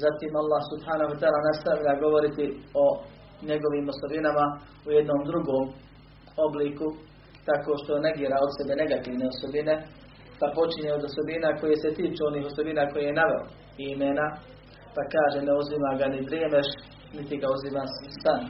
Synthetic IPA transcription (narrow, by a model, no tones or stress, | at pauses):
zat̪iːmalˠːahsubhaːnahuat̪aaːlanast̪aʋʎaɡo̞ʋo̞ɾit̪io̞ | ɲe̞ɡo̞ʋiːmoso̞binama | ujed̪no̞ːmd̪ɾuɡoːm | o̞bliːku | t̪akoʃt̪one̞ɡiːɾao̞d̪se̞be̞ne̞ɡat̪iːʋne̞oso̞bine̞ | t̪apo̞t͡ʃiɲeod̪oso̞binako̞jeset̪iːt͡ʃuːo̞niːɦo̞so̞binaːko̞jejenaʋel̰ | imeːna | pakaːʒeneuzimaɡanid̪ɾeːmeʃ | nit̪iɡauzimaːssan